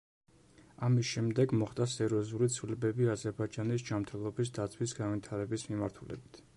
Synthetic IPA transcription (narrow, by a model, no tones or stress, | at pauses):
amisʃɛmd̪ɛɡmɔχt̪ʼasɛɾiɔzulit̪sʰvilɛbɛbiazɛɾbaid͡ʒanisd͡ʒamt̪ʰɛlˠɔbisd̪at̪sʰwisɡanvit̪ʰaɾɛbismimaɾt̪ʰulɛ̰bit̪ʰ